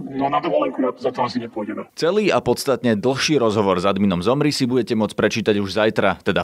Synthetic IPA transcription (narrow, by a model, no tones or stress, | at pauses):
nɔnad̪ʋɔlɛkuazat̪ɔasiɲɛpʊɔjɟɛmɛt͡sɛliːapɔt̪st̪at̪ɲɛd̪l̩ˠxʃiːɾɔzɦɔʋɔɾzad̪minɔmzɔmɾisibuɟɛcɛmʊɔt͡spɾɛt͡ʃiːt̪aɟuʒzajt̪ɾat̪ɛd̪a